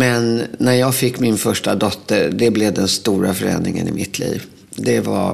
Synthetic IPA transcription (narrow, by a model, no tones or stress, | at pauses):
mɛnːæɾjɑːɡfɪkːmɪnfœʂʈad̪ɔt̪ʰːəɾɖ̪ɛblɛvd̪ɛnst̪uːɾafœɾɛ̰nɾɪŋə̰nɪmɪt̪ʰlḭːv | d̪ɛva̰